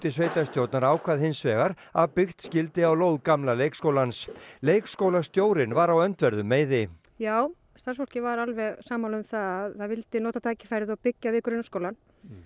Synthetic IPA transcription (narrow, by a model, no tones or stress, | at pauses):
t̪ɪsveːjt̪ast̪jowɾt̪naɾaːwkʰvaðhɪnsvɛːɣaɾ | aðpɪxt̪scɪlt̪ɪawloːwðkamlalejkskoːwlansleːjkskowlast̪joːwɾɪnvaɾawœnt̪vɛɾðʏmːeːjðɪ | jaːw | st̪aɾ̥rsfɔr̥cɪvaɾalvɛɣsaːmawlʏmθaðaðθaðvɪlt̪ɪnoːt̪at̪ʰaːjcɪ̥fajɾɪðɔwpɪcːavɪːkʏɾɪnːskoːwlan